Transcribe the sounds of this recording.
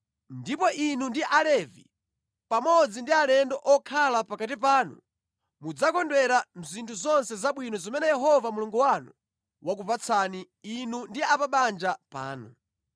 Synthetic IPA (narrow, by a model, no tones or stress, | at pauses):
ndipɔʔinundiʔalɛvi | pamɔd͡zindialɛndɔʔɔkʰalapakat̬ipaːnṵ | mud͡zakɔndwɛɾam̩zintʰuzɔnsɛzaɓwinɔzɔmɛnɛjɛɦɔvamuluŋɡuwanu | wak̬upat͡sʰaniː | nundiapaɓand͡ʒapa̰ːnṵ